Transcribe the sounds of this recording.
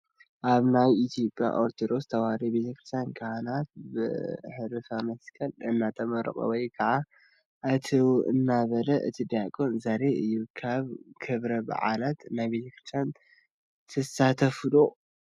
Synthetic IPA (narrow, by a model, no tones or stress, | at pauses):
ʔaβnajit̪ʰijo̞pʼja̰ʔoɾt̪ʰod̪o̞st̪ʰɐwhaɾibe̞t̪ʰɐkʰɨɾt̪ʰjankʰɐhanat̪̚bɨ̰ħɨɾɨfamɐskʰʼɐlɨnːat̪ʰʼɐmɐɾɐ̰χʼɐ̰wɔjkʰɐʕa | ʔɨt̪ʰiwʔɨ̰nːaβɐlɐʔɨ̰t̪ʰid̪akʼonzaɾeɨjːukʰaβkʰɨβɾɐba̰ʕa̰lat̪najbe̞t̪ʰɐkʰɨɾst̪ʰjan | t̪ʰɐsat̪ʰɐfɨlo